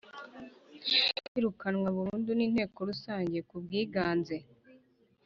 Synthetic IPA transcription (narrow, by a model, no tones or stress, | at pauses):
iɾukanwaβuɾuːnduniːn̥he̞ːko̞ɾusaːɲɟe̞kubɡiːɡaːnze̞